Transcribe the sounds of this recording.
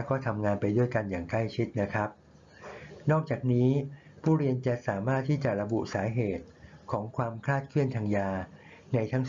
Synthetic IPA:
wkɔː˥˩t̪ʰa˧mŋaː˧npa˧jdu˥˩əjka˧njaː˨˩ŋkla˥˩jt͡ɕʰi˦˥t̪̚na˦˥kʰɾa˦˥p̚ | nɔː˥˩k̚t͡ɕaː˨˩k̚niː˦˥ | pʰuː˥˩ɾi˧ənt͡ɕa˨˩saː˩˦maː˥˩t̪ʰːiː˥˩t͡ɕa˨˩ʔɾa˧bu˨˩saː˩˦ɦeː˨˩t̪̚kʰɔː˩˦ŋkʰwaː˧mkʰlaː˥˩t̪̚kʰɯ˥˩ənt̪ʰaː˧ŋjaː˧ | na˧jt̪ʰa˦˥ŋ

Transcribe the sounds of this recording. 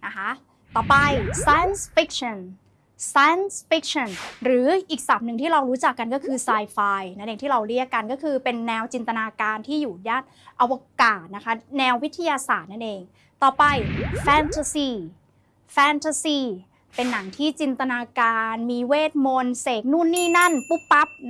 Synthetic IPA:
na˦˥kʰa˦˥ʔ | t̪ɔː˨˩pa˧jsaː˧˥jnsfi˦˥k̚sʰɔ˧˩n | saː˧jnsfi˦˥k̚sɔ˧˩nɾɯː˩˦ʔiː˨˩k̚sa˨˩p̚nɯ˨˩ŋt̪ʰiː˥˩ɾa˧wɾuː˦˥t͡ɕa˨˩kːa˧nkɔː˥˩kʰɯː˧saː˧jfaː˧jna˥nʔeː˧ŋt̪ʰiː˥˩ɾa˧wɾi˦˥˩əkːa˧nkɔː˥˩kʰɯː˧pe˧nːɛː˧wt͡ɕi˧nt̪a˧naː˧kaː˧nt̪ʰiː˥˩juː˨˩jaː˥˩t̪̚ | ʔa˧waː˧kaː˨˩t̪̚na˦˥kʰa˦˥nɛː˧wːt̪ʰːa˧jaː˧saː˨˩t̪̚na˥˩nʔeː˧ŋ | t̪ɔː˨˩pa˧jfɛː˧nt̪ʰa˧siː˧˩ | fɛː˧nt̪ʰa˧siː˧˩ | pe˧nːa˩˦ŋt̪ʰiː˥˩t͡ɕi˧nt̪a˧naː˧kaː˧nmiː˧weː˥˩t̪̚mo˧nseː˨˩k̚nu˥˩nːiː˥˩na˥˩npu˦˥pːa˦˥p̚

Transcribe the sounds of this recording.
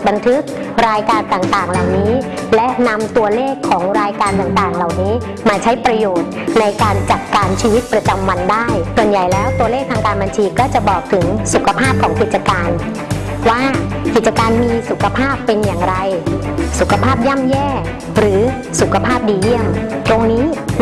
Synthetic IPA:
ba˧nt̪ʰɯ˦˥k̚ | ɾaː˧jkaː˧nt̪aː˨˩ŋt̪aː˨˩ŋla˨˩wniː˦˥ | lɛ˦˥ʔna˧mt̪u˧ɐleː˥˩kʰːɔː˩˦ŋɾaː˧jkaː˧nt̪aː˨˩ŋt̪aː˨˩ŋla˨˩wniː˦˥ | maː˧t͡ɕʰa˦˥jpɾa˧joː˨˩t̪̚na˧jkaː˧nt͡ɕa˨˩t̪̚kaː˧nt͡ɕʰiː˧wi˦˥t̪̚pɾa˧t͡ɕa˧mwa˧ndaː˥˩jsu˨˩ənja˨˩jlɛː˦˥wt̪u˧ɐleː˥˩k̚t̪ʰaː˧ŋkaː˧nba˧nt͡ɕʰiː˧kɔː˥˩t͡ɕa˨˩ʔbɔː˨˩k̚t̪ʰɯ˩˦ŋsu˨˩kʰa˧pʰaː˥˩p̚kʰɔː˩˦ŋki˨˩t͡ɕa˧kaː˧n | waː˥˩ki˨˩t̪̚t͡ɕa˧kaː˧nmiː˧su˨˩kʰa˧pʰaː˥˩pːe˧njaː˨˩ŋɾa˧jsu˨˩kʰa˧pʰaː˥˩p̚ja˥˩mjɛː˥˩ | ɾɯː˩˦ | su˨˩kʰa˧pʰaː˥˩p̚diː˧ji˥˩əmt̪ɾo˧ŋniː˦˥

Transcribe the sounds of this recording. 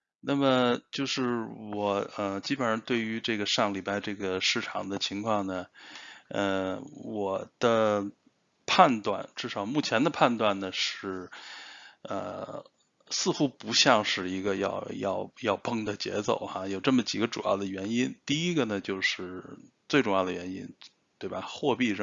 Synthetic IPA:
na˥˩mə˩t͡ɕjo˥˧ʊʂɻ̩˥˩wɔ˨˩ə˧t͡ɕi˥pə˨˩˧t̪we˥˩ɪy˧˥ʈ͡ʂɤ˥˩ɡə˩ʂɑ˥˩ŋli˨˩pa˥ɪʈ͡ʂɤ˥˩ɡə˩ʂɻ̩˥˩ʈ͡ʂʰɑ̰˨˩ŋd̪ə˧t͡ɕʰi˧˥ŋkʰwɑ˥˩ŋnə˩ | ə˧wɔ˨˩d̪̥ə˧ | pʰa˥˧nt̪wa̰˥˩nʈ͡ʂɻ̩˥˩ʂɑ˨˩ʊmu˥˩t͡ɕʰjɛ˧˥nd̪ə˧pʰa˥˧nt̪wa˥˩nnə˩ʂɻ̩˥˩ | ə̰˧˩ | sɹ̩˥˩xu˥pu˧˥ɕjɑ˥˧ŋʂɻ̩˥˩i˧˥ɡə˧jɑ̰˥˧ʊjɑ̰˥˩ʊjɑ˥˧˩ʊpɤ˥ŋd̪ə˨t͡ɕjɛ̰˧˥t͡so˨˩ʊxa˥˧jo˨˩ʊʈ͡ʂɤ˥˩mə˩t͡ɕi˨˩ɡə˧˦ʈ͡ʂṵ˨˩jɑ̰˥˩ʊd̪ə˩ɥɛ˧˥ni˥nt̪i˥˩i˥ɡə˨nə˩t͡ɕjo˥˧ʊʂɻ̩˥˩t͡swe˥˩ɪʈ͡ʂʊ˥˧ŋjɑ˥˩ʊd̪ə˩ɥɛ˧˥nḭ˥n | t̪we˥˩ɪba˩xwɔ˥˧pi˥˧ə˥˧

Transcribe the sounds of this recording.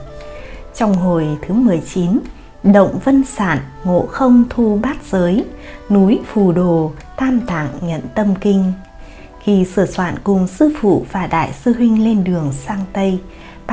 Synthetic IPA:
t͡ɕɔ˧wŋ͡mɦo˨˩jt̪ʰɨ˨˦mɨ˨˩əjt͡ɕi˨˦n | ɗə̰˧˨wŋ͡mvə˧nsa̰ː˧˨nŋo̰˧˨xə˧wŋ͡mt̪ʰu˧ɓaː˦˥t̚z̥əː˨˦jnu˨˦jfu˧˩ɗo˨˩ | t̪ʰaː˧mt̪ʰa̰ː˧˨ŋɲə̰˧˨nt̪ə˧mkï˧ŋ̟ | xi˧sɨ˧˩əswa̰ː˧˨nkʊ˨˩ŋ͡msɨ˧fṵ˧˨vaː˨˩ɗa̰ː˧˨jsɨ˧ɦwï˧ŋ̟le˧nɗɨ˨˩əŋsaː˧ŋt̪ə˧j | ɓ

